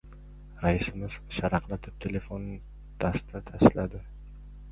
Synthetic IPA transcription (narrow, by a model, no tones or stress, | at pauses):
ɾaɪsɪmɪz̥ʃaɾɑqlˠat̪ʰɪp̚t̪ʰele̞fon | d̪̥ast̪ʰat̪ʰaʃlad̪ɪ